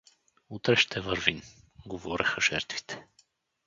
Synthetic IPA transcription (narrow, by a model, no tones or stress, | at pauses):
ut̪ɾɛʃt̪ʰɛvəɾvin | ɡovɔɾɛxəʒ̥ɛɾt̪vi̥t̪ɛ̥